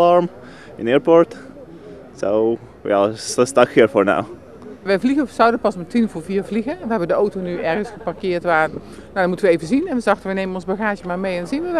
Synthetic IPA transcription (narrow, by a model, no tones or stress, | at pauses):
ɑɹm | ɪnɪɹpɔɹt | sow | ja̰sstɑkɪəɹfoɹna̰w | ʋəjvliɣəsawdənpɑsmatinfoviəɹvliɣəʋəɦɛbəndəowtonyʔɛrɣənsχəparkɪːɹtʋaː | nadnmutənʋəejvəzinɛnʋəzɑxtəʋənejmənɔnzbaɣaːʒəmaːɹmejɛndɔnzinʋə